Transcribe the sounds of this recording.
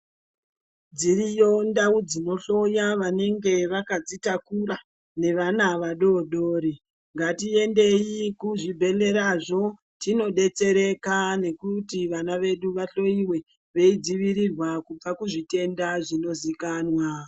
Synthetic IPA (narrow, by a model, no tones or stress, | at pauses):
d͡zirijo̞ndaud͡zino̞ɬo̞jaʋane̞ŋɡe̞ʋakad͡zitakura | ne̞ʋanaʋaɗo̞ɗoːɾi | ŋɡatie̞nde̞ikuʐibʱe̞le̞ɾaʐo̞ | tino̞ɗe̞t͡se̞ɾe̞kane̞kutiʋanaʋe̞ɗuʋaɬo̞iwe̞ | ʋeid͡ziʋiɾirwakub͡vakuʐite̞ndaʐino̞zikaːnwa